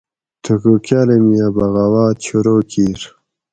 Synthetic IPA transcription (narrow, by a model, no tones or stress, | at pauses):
t̪ʰukukjaːlemijabaɣawaːt͡ɕʰuɾoːkʰiːɾ